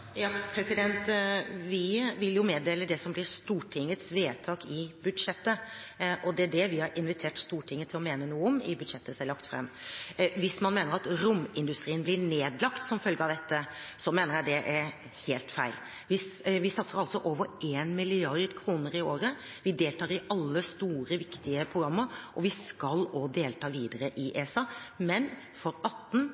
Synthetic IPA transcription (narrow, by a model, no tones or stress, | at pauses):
jɑpʰɾɛsɪd̪ɛnt̪ʋɪʋɪljʊmeːd̪eːləd̪ɛsɔmblɪɾst̪uːʈʰɪŋːət̪sʋeːt̪ʰɑːkɪbʉd̪ʂɛt̪ːəʔɔd̪ɛæɖɛʋɪhɑɾɪnʋɪt̪ʰeːʈst̪uːʈʰɪŋːət̪ʰɪlɔmeːnənuːəɔmɪ̰bʉd̪ʂɛt̪ʰːəsɛlɑkt̪fɾɛ̰mːʋɪsmɑnmeːnəɾɑt̪ɾʊmːɪnd̪ʉst̪ɾiːənblɪneːd̪lɑkt̪sɔmfœlɡəɑʋd̪ɛt̪ːəsɔmeːnəɾjæɪd̪ɛʔæɾ | heːlt̪fæɪl | ʋɪsʋɪsɑt̪səɾɑlsɔʔoːʋəɾʔeːnmɪlɪɑɾd̪kʰɾuːnəɾɪoːɾə | ʋɪd̪eːlt̪ʰɑːɾɪʔɑlːəst̪uːɾəʋɪkt̪ɪəpʰɾʊɡɾɑmːəɾʔɔʋɪskɑloːd̪eːlt̪ʰɑːʋiːd̪əɾəʔɪʔeːsɑmɛn | fɔɾɑt̪ːn̩